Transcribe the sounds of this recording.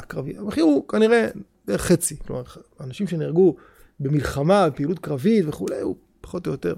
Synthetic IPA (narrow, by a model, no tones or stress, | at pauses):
kʁaviabeχiʁukaniʁe̞d̥̪eʁeχːet͡siklo̞maʁanaʃimʃe̞niʁɡu | be̞milχamabepiːlut̪̚kʁavit̪veχulejṵ | pḁχot̪ojot̪e̞̰ʁ